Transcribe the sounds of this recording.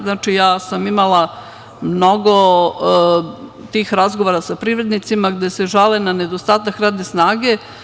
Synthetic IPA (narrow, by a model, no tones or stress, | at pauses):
naːt͡ʃijaːsamimalˠa | mno̞ɡo̞ | t̪iːxɾazɡoʋoɾasapɾiːʋɾe̞d̪nit̪simaɡd̪ese̞ʒalenane̞d̪ost̪aːt̪akɾaːd̪nesnaːɡe̞